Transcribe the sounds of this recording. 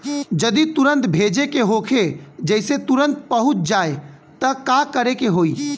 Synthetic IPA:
d͡ʒəd̪it̪uɾə̃nt̪bʱeːd͡ʒekeɦokʰed͡ʒəɪset̪ʊɾə̃nt̪̚pəɦʊt̪̚d͡ʒaːe | t̪əkakəɾekeɦoːiː

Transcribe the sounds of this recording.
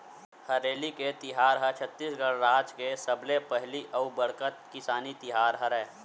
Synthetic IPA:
hɐɾeːliket̪ɪɦaːɾɦət͡ʃʰət̪ːiːsɡəɽɾaːd͡ʒkesəblepɛɦliʔɐubɐɽkət̪̚kɪsaːnit̪ɪɦaːɾɦəɾɛː

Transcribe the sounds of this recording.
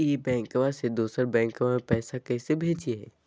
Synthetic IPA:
jebɛ̃ːŋkʋased̪uːsəɾbɛ̃ːŋkʋamẽpɛːsakɛːsebʱeːd͡ʒeɦɛ̰ː

